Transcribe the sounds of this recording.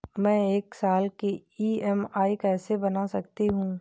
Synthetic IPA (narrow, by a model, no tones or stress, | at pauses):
mɛ̃ːeːksaːlkeiːɛmaːikɛːsebɐnasɐk̚t̪iɦũ